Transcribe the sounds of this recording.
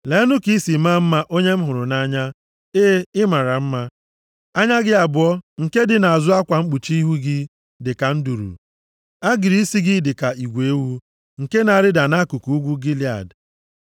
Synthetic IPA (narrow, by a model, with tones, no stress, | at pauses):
le˨˦nʊ˦ki˦si˨ma˦m̩˦ma˦ʔo˦ɲe˦m̩˦ɦʊ˨ɾʊ˨na˦ɲa˦ | eː˦ɪ˦ma˨ɾa˨m̩˦ma˦ | a˦ɲa˦ɡɪ˦a˨bʊ˦ɔ˦ŋ̩˨ke˦dɪ˨na˨a˨zʊ˦a˦kʷa˨ŋ͡m̩˦k͡pu˨t͡ʃi˦ɦu˦ɡɪ˦ | dɪ˨ka˨n̩˦du˨ɾṵ˨ | a˦ɡɪ˨ɾi˦si˦ɡɪ˦dɪ˨ka˨i˨ɡʷe˨˦wu˦ | ŋ̩˨ke˦na˨a˨ɾɪ˦da˨na˦ku˨ku˨u˦ɡʷu˦ɡi˦li˨a̰˨d